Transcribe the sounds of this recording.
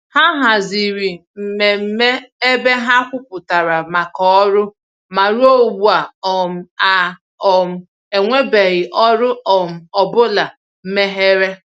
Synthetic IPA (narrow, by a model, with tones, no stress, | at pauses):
ha˦ɦa˨zi˨ɾi˨m̩˨me˨m̩˦me˦e˦be˦ɦa˦kʷʊ˦pʊ˨ta˨ɾa˨ma˨kɔ˦ɾʊ˦ | ma˨ɾu˦o˦wu˨a˨ɔ˨m̩˨a˨ | ɔ˨m̩˦˨ | e˨ŋʷe˦be˨ɣɪ˨ʔɔ˦ɾʊ˦ɔ˨m̩˨ɔ˨bʊ˦la˨ | m̩˦me˦ɦe˦ɾe˦